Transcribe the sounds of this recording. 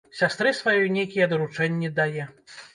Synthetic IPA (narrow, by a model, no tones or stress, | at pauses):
sʲast̪ɾɨsvajɔjnʲejkʲijɛd̪ɐɾut͡ʂɛnʲːid̪ajɛ